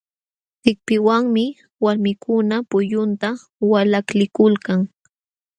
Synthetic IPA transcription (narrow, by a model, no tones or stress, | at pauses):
tɪk̚pɪwaŋmɪ | waɾmɪkʊnapʊʎʊnt̪a | walaklɪkʊlkaŋ